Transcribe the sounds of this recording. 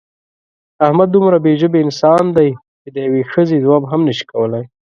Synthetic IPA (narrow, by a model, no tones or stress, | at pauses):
ahmad̪ːumɾabeʒəbeɪnsɑnd̪aj | t͡ʃed̪əjawexəzezwabɦamnəʃi̥kawəlaj